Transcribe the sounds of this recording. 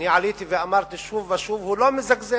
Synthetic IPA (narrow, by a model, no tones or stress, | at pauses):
niʕaliːt̪iviʔamɑɾˤt̪ɪʃuːfaʃuːfhuloːmɪzakzeː